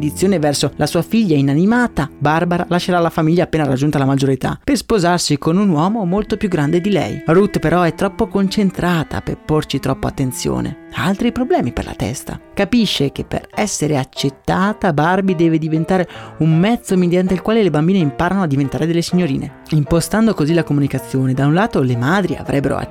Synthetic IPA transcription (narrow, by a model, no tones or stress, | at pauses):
d̪it̪sjoːnevɛrsolʔasuːafiʎːainanimaːt̪abarbaɾalaʃːeɾalafamilʎːaːpːeːnaɾad͡ʒːunt̪alamad͡ʒoɾet̪a̰perspozarsikonunwɔːmomolt̪opjuɡːɾand̪ed̪ilɛ̰jrut̪ːpeɾʔɔɛt̪ːɾɔpːokont͡ʃent̪ɾaːt̪ʰa̰pḛport͡ʃit̪ɾɔpːoa̰t̪ːent̪sjo̰ːnḛalt̪ɾipɾoblɛːmipḛrlʔa̰t̪ɛ̰st̪a̰kapiʃːekepːḛrɛsːeɾeat͡ʃːet̪ːaːt̪abarbid̪ɛːved̪ivent̪aːɾeummɛt̪sːomed̪jant̪eilkwaːlelebambiːneimpaːɾanoad̪ːivent̪aːɾed̪elːesiɲːoɾḭːnḛ | impost̪and̪okozilakomunikat̪sːjoːned̪aunlaːt̪olemaːd̪ɾia̰vɾʔɛbːeɾo̰